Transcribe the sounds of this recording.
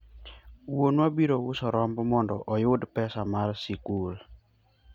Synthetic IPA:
wonwabiɾoʊsɔɾɔmbɔmɔndɔʔɔjʊdpɛsamarsikul

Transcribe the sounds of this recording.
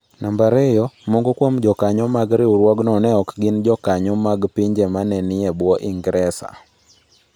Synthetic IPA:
nʔambaɾɛjɔmoŋɡokwomd͡ʒɔkaɲɔmaɡɾɪuɾwɔɡnɔnɛɔkɡɪnd͡ʒɔkaɲɔmaɡpiɲd͡ʒɛmanɛnɪɛbwɔʔiŋɡɾɛsa̰

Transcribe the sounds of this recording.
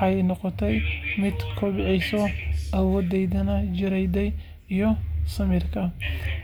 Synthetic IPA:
ɑɛjnɔqɔt̪ʰɛjmɪd̪kʰɔbɪʕɪjsɔʔɐwɔːd̪ɛjðɐnɐd͡ʒɪɾɛjd̪ɛj | ijɔsɐmɪrkʰɐ

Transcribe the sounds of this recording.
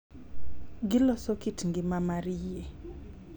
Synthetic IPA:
ɡɪlɔsɔkitŋɡɪmamaɾije

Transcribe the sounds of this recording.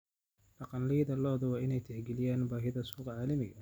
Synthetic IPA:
ɖɑqɑnlijðɐlɔːðɐwɑːʔɪnɛjt̪ʰɛħɡɛlɪjaːnbaːɦɪðɐsuːqɑʕaːlɐmɪɣɐ

